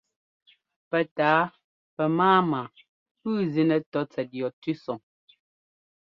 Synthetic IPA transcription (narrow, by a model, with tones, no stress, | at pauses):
pɛ˨taː˨˦ | pɛ˨maː˦ma˨ | pʉː˦˨zi˨nɛ˨tɔ˨˦t͡sɛ˨t̚jɔ˨tʉ˦sɔ˨ŋ